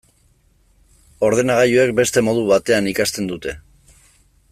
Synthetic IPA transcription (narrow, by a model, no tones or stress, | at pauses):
o̞ɾð̞e̞naɣ̞ajue̞k̚be̞st̪e̞mo̞ð̞uβat̪e̞anikast̪e̞nd̪ut̪e̞